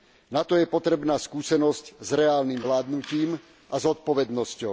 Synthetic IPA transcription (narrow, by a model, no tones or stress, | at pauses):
nat̪ɔjɛpɔt̪ɾɛbnaːskuːsɛnɔsczɾɛaːlniːmʋlaːd̪nuciːm | azɔt̪̚pɔʋɛd̪nɔscɔʊ